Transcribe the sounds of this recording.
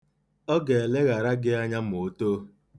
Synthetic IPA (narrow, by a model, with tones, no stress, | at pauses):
ɔ˦ɡe˨le˦ɣa˨ɾa˦ɡɪ˦a˦ɲa˦m̩˨o˨˦to˦